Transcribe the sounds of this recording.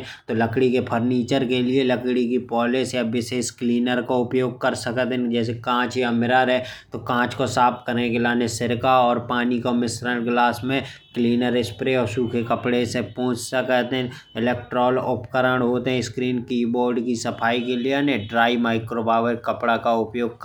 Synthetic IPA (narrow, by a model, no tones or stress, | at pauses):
t̪oləkɽikepʰəɾniːt͡ʃəɾkelieləkɽikipɔːlɪsjabɪseskliːnəɾkaʊpjoːɡ̚kəɾsəkət̪ɦɛd͡ʒɛːsekãːt͡ʃjamɪɾaɾɦɛt̪okãːt͡ʃkosaːpkəɾnekelaːnesɪɾkaɔːɾpaːnikomɪsɾəlɡlaːsmẽkliːnəɾɪspɾeɔːɾsuːkʰekəpɽesepɔ̃ːʊ̃t͡ʃsəkət̪ɛ̃ | ɪlɛːkʈɾɔːlʊpkəɾəɳɦoːt̪eɦɛ̃ɪskɾiːnkiːboːɾɖkisəpʰaːikelieaneɖɾaːimaːɪkɾobaːʋəɾkəpɽakaʊpjoːɡ̚k